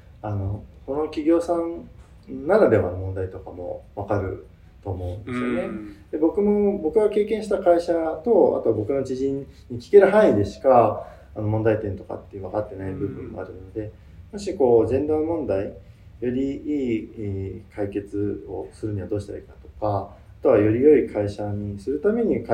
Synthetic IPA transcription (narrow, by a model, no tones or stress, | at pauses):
ano̞ko̞no̞kʲiɡʲo̞ːsãnː | aɾad̪e̞βa̰nomõ̞nd̪ait̪o̞kamo̞̰βakaɾɯ̟̰ | t̪o̞ːmo̞ɯ̟̃nd̪esɨjo̞ned̪̥e̞bo̞kɯ̟mo̞bo̞kɯ̟ɡake̞ːkẽ̞ɰ̃ɕi̥t̪akaiɕat̪o̞a̰t̪o̞abo̞kɯ̟no̞t͡ɕiʑĩɲɲːikʲi̥ke̞ɾɯ̟ɦãɰĩid̪e̞ɕi̥ka | ano̞mõ̞nd̪ait̪ẽ̞nt̪o̞ka̰t̪ːeɯ̟β̞akat̪ːe̞naibɯ̟bɯ̟̃mːo̞̰a̰ɾɯ̟no̞d̪e̞ | moɕiko̞ːzẽ̞nd̪omõ̞nd̪ai | jo̞ɾʲiiː | kʰaike̞t͡sɨo̞̰sɨɾɯ̟ɲ̟iβad̪oːɕi̥t̪aɾa̰ikat̪o̞̥ka | at̪o̞βajo̞ɾʲijo̞ikʰaiɕaɲ̟isɨɾɯ̟t̪ame̞ɲ̟ik